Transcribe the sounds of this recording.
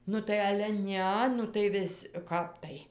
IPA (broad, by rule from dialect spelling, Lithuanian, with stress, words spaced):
ˈnʊ tɐɪ ˈɑːlʲɛ tɐɪ ˈnʲɛ nʊ tɐɪ ˈʋʲɪsʲ ˈkɐp tɐɪ